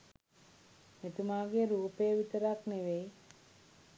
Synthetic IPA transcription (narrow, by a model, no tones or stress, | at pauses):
met̪umaːɡeɾuːpejəʋit̪əɾakneʋej